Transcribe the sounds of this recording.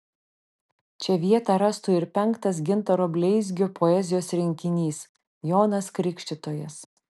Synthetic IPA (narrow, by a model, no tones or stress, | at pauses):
t͡ʃʲɛʋʲiɛt̪ɑɾɐst̪uːɪɾpʲɛŋkt̪ɐsɡʲɪnt̪ɐɾoːbʲlʲɛɪzʲɡʲopʰɔɛzʲɪjoːsɾʲɪŋʲkʲɪnʲiːs | joːnɐskɾʲɪkʲʃʲt̪ʲɪt̪oːjɛs